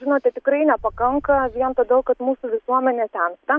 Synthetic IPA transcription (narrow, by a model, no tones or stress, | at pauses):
ʒʲɪnoːt̪ʲɛt̪ʲɪkɾɐɪnʲɛpɐkɐŋkɐʋʲiɛnt̪ɐd̪ʲɛlˠkɐt̪muːsuʋʲɪsuɔmʲɛnʲeːt̪ʲɛnt̪ɐ